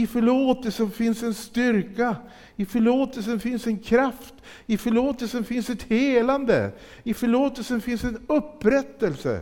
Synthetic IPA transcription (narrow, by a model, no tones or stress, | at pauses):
ɪfœɭoːt̪əlsənfɪnsɛnst̪ʏɾka | ɪfœɭoːt̪əlsənfɪnsɛnkʰɾaft̪ | ɪfœɭoːt̪əlsənfɪnsɛt̪heːland̪ə̰ | ɪfœɭoːt̪əlsənfɪnsɛnɵpːɾɛt̪ːəlsə̰